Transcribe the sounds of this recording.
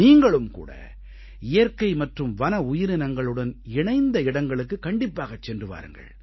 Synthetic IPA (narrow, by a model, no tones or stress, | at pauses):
iːŋɡɐɭɯmkṵːɽɐ̰ | ɪjɐɾkɐɪmɐʈrɯmʋɐnɐʊjɪɾɯnɐŋɡɐɭɯɽɐnɪɳɐɪnd̪ɐɪɽɐŋɡɐɭɯkːɯkːɐɳɖɪpːaːɣɐt͡ʃːɛndrɯʋa̰ːɾɯ̰ŋɡɐ̰ɭ